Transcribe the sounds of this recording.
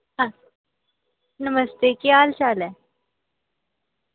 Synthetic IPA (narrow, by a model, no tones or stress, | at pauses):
ɦã | nəməst̪eːkiaːlt͡ʃaːlɛː